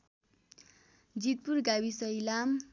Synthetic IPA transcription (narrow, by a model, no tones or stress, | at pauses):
d͡zit̪̚purɡawisʌjlam